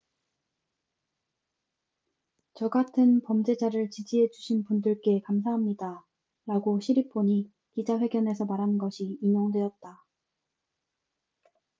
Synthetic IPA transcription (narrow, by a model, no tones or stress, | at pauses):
t͡ɕʌɡatʰɯnpʌmd͡ʑe̞d͡ʑaɾɯɭt͡ɕid͡ʑiɦe̞d͡ʑuɕʰinpundɯɭk͈e̞kamsʰaɦamɲida | ɾaɡoɕʰiɾipʰoɲi | kid͡ʑaɸwe̞ɡjʌnes̬ʰʌmaɾɦannɡʌɕʰiːɲjoŋdwe̞ʌt̚t͈a